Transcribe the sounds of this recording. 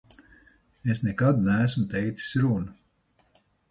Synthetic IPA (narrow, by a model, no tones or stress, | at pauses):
esnɛkad̪næːsmt̪ɛjt̪si̥sʲɾunɐ